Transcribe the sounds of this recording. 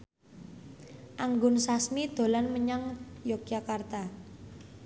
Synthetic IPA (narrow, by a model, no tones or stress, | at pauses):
ʔaŋɡʊnsasmid̪̥o̤lanməɲaŋjokijakart̪a